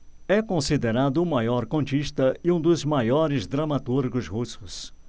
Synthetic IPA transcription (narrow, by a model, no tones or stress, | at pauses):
ɛkõsid̪eɾad̪ʊʊmajɔɾkõnt͡ʃiʃt̪ɐɪũd̪ʊzmajɔɾɪzd̪ɾɐmat̪uɾɡʊzhusʊs